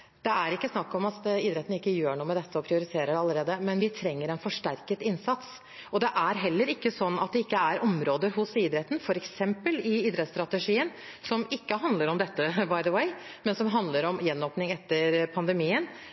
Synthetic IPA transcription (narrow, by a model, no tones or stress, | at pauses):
d̪̥ɛæɾɪkːəsnɑkːɔmɑt̪iːd̪ɾɛt̪n̩ɪkːəjøːɳuːəmɛd̪ɛt̪ʰːəɔpʰɾɪʊɾɪt̪ʰeːɾəɖɑləɾeːd̪əmɛnʋɪt̪ʰɾɛŋːəɾɛɪnfɔʂʈæɾkət̪ɪnsɑt̪s | ɔd̪ɛʔæɾɦɛlːəɾɪkːəsɔnːɑt̪̚d̪ɛɪkːəæɾʔɔmɾoːd̪əɾɦʊsiːd̪ɾɛt̪ːn̩fɔɾɛksɛmpəlɪiːd̪ɾɛt̪st̪ɾɑt̪əʂiːən | sɔmɪkːəɦɑnd̪ləɾɔmd̪ɛt̪ːəbɑɪd̪əweɪmɛnsɔmɦɑnd̪ləɾɔmjɛnːoːpnɪŋɛt̪ːəɾpʰɑnd̪əmiːən